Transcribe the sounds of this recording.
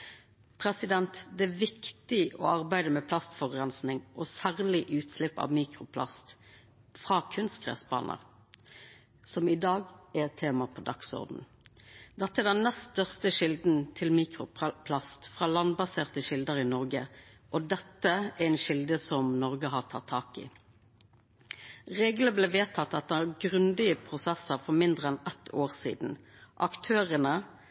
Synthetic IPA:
pʰʁɛsɪd̪ɛnt̪d̪ɛæʋɪkt̪ɪɔ̰ɑʁbæɪd̪əmɛpʰlɑst̪fɔʁɡʁɛnsnɪŋʔɔsæːʁlɪʔʉːt̪slɪpːɑ̰ʋmiːkʁʊpʰlɑ̰st̪ | fʁɑːkʰʉnst̪ɡʰʁɛ̰ːsbɑ̰ːnʔə̰ʁ | sɔmɪd̪ɑːɡɛt̪ʰːeːmɑpʰɔd̪ɑksɔ̰ʁd̪n̩ | d̪ɛt̪ːəɛd̪ɛnnɛst̪œʁst̪əʃɪld̪nt̪ʰɪlmiːkʁʊpʰlɑst̪fʁɑːlɑnbɑseːʁt̪əʃɪld̪əʁɪnɔʁɡə | ʔɔd̪ɛt̪ːəæɛnʃɪld̪əsɔmnɔʁɡəɦɑʁt̪ʰɑt̪ʰːɑːkɪ̰ | ʁeːɡləbleːʋeːt̪ʰɑt̪ːɑt̪̚d̪əæɡʁʉnd̪ɪəpʰʁʊsɛsəʁfɔʁmɪnd̪ʁəɛnɛt̪ːʰoːʁsḭːd̪n̩ | ʔɑkt̪ʰøːʁənə

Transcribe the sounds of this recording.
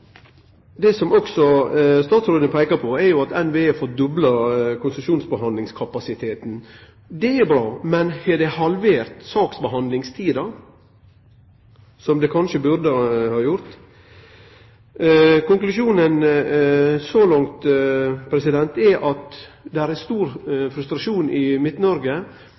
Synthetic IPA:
d̪ɛsɔmɔksɔst̪ɑːt̪sɾoːd̪ənəpʰæɪkɑpʰɔɛjʊɑt̪ɛnʋeːeːfɔɾd̪ɔblɑkʰʊnsəʃuːnsbəɦɑnd̪ɪŋskʰɑpɑsɪt̪ʰeːt̪n̩ | d̪ɛɛɾbɾɑːmɛnhɛd̪ɛhɑlʋeːɾt̪sɑːksbəɦɑnd̪lɪŋst̪ʰiːd̪ɑ | sɔmd̪ɛkʰɑnʃəbʉɾd̪əhɑːjʊɾt̪ | kʊŋklʉʃuːnən | sɔlɑŋt̪pʰɾɛsɪd̪ɛnt̪ɛʔɑt̪ | d̪ɛæɾɛst̪uːɾfɾʉst̪ɾɑʃuːnɪmɪt̪nɔɾɡə

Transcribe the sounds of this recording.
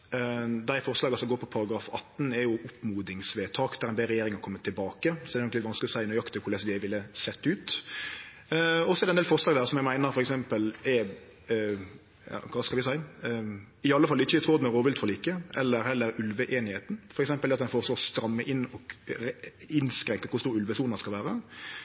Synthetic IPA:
d̪æɪfɔɾslɑːɡɑsɔmɡoːɾpʰɔpʰɑɾɑɡɾɑːfɑt̪ːn̩ɛɾjʊʔʊpmuːd̪ɪŋsʋeːt̪ʰɑːkd̪æɾɛnbɛɾɛjeːɾɪŋɑkʰɔmːət̪ʰːɪlbɑːkəsɔdɛdɛnɔk̪ɪt̪ʋɑnsklɪɔsæɪʉnəɾjɑkt̪əkʰʊɾlɛsd̪ɪæʋɪlːəsɛt̪ːʉːt̪ | ɔsɔɛd̪ɛnd̪elfɔʁslɑːɡd̪æːʁsɔmjæɪmæɪnəɾfɔɾɛksɛmpəlɛ | jɑ̰kʰʋɑːskɑlʋɪsæɪ | ɪɑlːəfɑlɪçəɪt̪ʰɾoːd̪mɛɾoːʋɪlt̪fɔɾliːkəʔɛlːəɾhɛlːəɾʉlʋəʔeːnɪheːt̪n̩fɔɾɛksɛmpəlɛɑt̪d̪ɛnfoːɾsloːʁɔst̪ɾɑmːəʔɪnːɔɡ | ɪnskɾɛŋkəkʊɾst̪uːɾʉlʋəsuːnɑskɑlʋæːɾə

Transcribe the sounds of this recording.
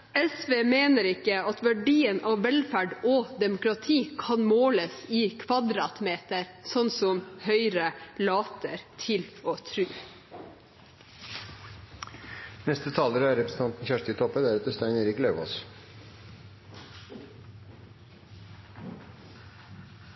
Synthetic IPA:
ɛsʋeːmeːnəɾɪkəɑt̪ʋæɖiːənʔɑːʋʋɛlfæɖoːd̪ɛmʊkɾɑt̪ʰiːkʰɑnmoːləsiːkʰʋɑd̪ɾɑːt̪meːt̪əɾsɔnsɔmhœʏɾəlɑːt̪ʰəɾt̪ʰɪloːt̪ʰɾʉː | nɛst̪ət̪ʰɑːləɾəæɾɛpɾəsn̩t̪ʰɑnt̪n̩çæʂʈ̪ɪt̪ʰɔpːəd̪ɛæɾɑt̪əst̪æɪneːɾɪkløːʋo̰s

